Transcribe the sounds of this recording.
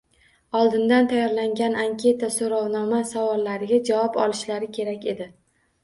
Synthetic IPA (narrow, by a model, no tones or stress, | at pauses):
ɒlˠd̪ɪnd̪ant̪ʰajɒɾlaŋɡʲanaŋkʲʰe̞t̪asoɾɒwnɒmasavɒlˠːaɾɪɡʲad͡ʒavɒpɒ̰lˠɪʃlaɾɪkʲʰe̞ɾakʲe̞d̪ɪ